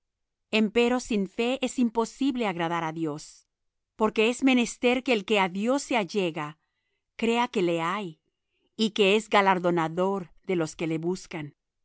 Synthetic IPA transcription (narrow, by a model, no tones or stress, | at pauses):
e̞mpe̞ɾo̞siɱfe̞ʔe̞simpo̞siβle̞aɣɾaðaɾaðjo̞s | po̞ɾke̞e̞zme̞ne̞st̪e̞ɾke̞ːlke̞aðjo̞sːeaʝe̞ɣa | kɾe̞ake̞le̞aj | ike̞e̞zɡalaɾðo̞naðo̞ɾðe̞lo̞ske̞le̞βuskan